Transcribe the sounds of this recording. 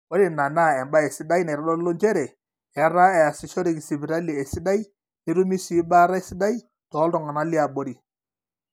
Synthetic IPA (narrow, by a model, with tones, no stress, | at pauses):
o˦ɾi˨na˨na˦˨ɛ˨mba˦e˨si˦da˦jna˨ɾɔ˦dɔ˦lo˦nd͡ʒɛ˦ɾɛ˨˦ | ɾa˦ɛ˨a˨si˨ʃɔ˦ɾi˨ki˨si˨bi˨ɾa˦li˨e˨si˦da˦i˦ | ne˦ɾu˦mi˦sːba˦ɾa˦e˦si˦da˦j | tɔ˨˦ltɔ˨ŋa˨na˦li˦a˨bo˦ɾi˨